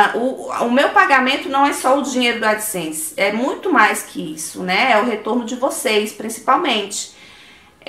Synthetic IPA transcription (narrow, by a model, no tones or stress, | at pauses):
ʔʊʊmewpaɡamẽnt̪ʊnɐ̃w̃ɛsɔʊd͡ʒĩɲejɾʊd̪ʊad͡ʒɪsẽsi̥ɛmũj̃t̪ʊmajskʰɪisʊnɛɛʊɦet̪oɾnʊd͡ʒɪvosejspɾĩsi̥pawmẽnt͡ʃɪ̥